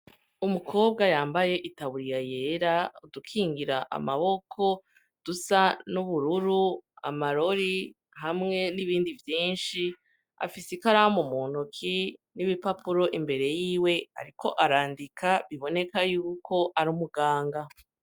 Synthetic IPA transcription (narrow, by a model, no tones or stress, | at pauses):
umukʰo̞ːb̚ɡajaːmbaje̞ʔitaβuɾijaje̞ɾaudukʰiːŋɡiɾaʔa̰maβo̞kʰo̞ | d̥usanuβuɾuɾua̰maɾo̞ɾi | hamŋe̞niβiːndivjiːnʃi | a̰fisikaɾahomumuːn̥ukʰiniβipapuɾo̞ʔimbe̞ɾe̞jiːwe̞ha̰ɾikʰo̞̰ʔaɾaːndikʰaβiβo̞ne̞kajuːkʰo̞ʔaɾumuɡaːŋɡa